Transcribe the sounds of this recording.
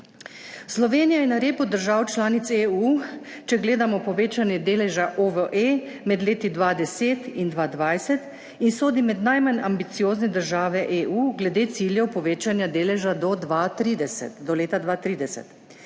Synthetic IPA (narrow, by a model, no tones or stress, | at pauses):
slɔʋeːnijajɛnaɾeːpud̪əɾʒaːwt͡ʃlaːnit̪seu | t͡ʃɛɡleːd̪amɔpɔʋeːt͡ʃanjɛd̪eːlɛʒaʔoʋəʔemɛd̪leːt̪id̪ʋaːd̪ɛseːt̪ind̪ʋaːd̪ʋajsɛt̪ | insoːd̪imɛd̪najmanambit̪sijoːznɛd̪əɾʒaːʋɛʔeːuːɡlɛd̪eːt̪siːljɛwpɔʋeːt͡ʃanjad̪eːlɛʒad̪ɔd̪ʋat̪ɾiːd̪ɛsɛ̰t̪d̪ɔleːt̪ad̪ʋat̪ɾiːd̪ɛsɛ̰t̪